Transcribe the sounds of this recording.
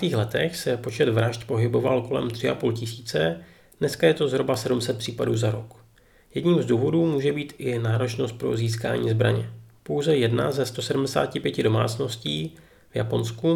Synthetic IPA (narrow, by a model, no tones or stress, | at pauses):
t̪iːxlɛt̪ɛxsɛpo̞t͡ʃɛd̪vɾaʃt̪po̞ɦɪbo̞valko̞lɛ̰mt̪r̥ɪʔapuːlcɪsiːt͡sɛ | d̥nɛskajɛt̪o̞zɦɾobasɛdumsɛt̪̚pr̝̥iːpaduːzaɾo̞k | jɛdɲiːmzduːvo̞duːmuːʒɛbiːt̪ʔɪnaːɾo̞t͡ʃno̞st̪̚pɾo̞̰ziːs̬ka̰ːɲḭːzbɾa̰ɲɛpo̞wzɛjɛdna̰zɛst̪o̞sɛdumdɛsa̰ːcɪpjɛcɪdo̞ma̰ːt͡sno̞sciː | vja̰po̞nsku